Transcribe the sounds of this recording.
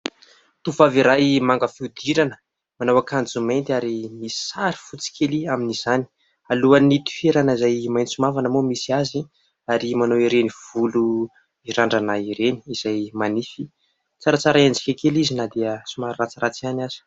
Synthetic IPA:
t̪ufaviɾajmaŋɡəfiud̪iɾanə̥ | manawakand͡zumajnt̪ʲaɾimisi̥saɾi̥fut͡si̥kʰʲeliaminiz̥ani̥ | aluanit̪u̥feɾanizajmajnisumavanəmomisiazi | aɾimanowiɾeniv̥ulu | iɾaɳɖ͡ʐanaiɾeni̥ːz̥ajmanifi | t͡saɾat͡saɾaand͡zi̥kʲakelizinad̪iəsumaɾat͡siɾat͡sianaz̥i̥

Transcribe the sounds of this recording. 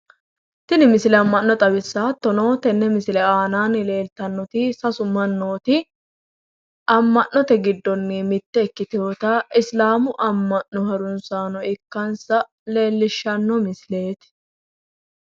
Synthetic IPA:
t̪ɪnɪmɪslɛɐmːɐnːɔt̪ʼɐbɪsːaːt̪ːɔno̞ːt̪ɛnːɛmɪslɛaːnaːnle̞ːlt̪ɐnːɔt̪isɐsʊmɐnːo̞ːt̪ɪ | ʔɐmːɐʔɔt̪ɛɡɪd̪ːɔnːɪmɪt̪ːɛːkːɪt̪ɪoːt̪aːʔɪslaːmʊʔɐmːɐʔnɔhɐɾʊnsaːnɔɪkːɐnsɐ | le̞ːlːɪʃːɐnːɔmɪsle̞ːt̪ɪ̥

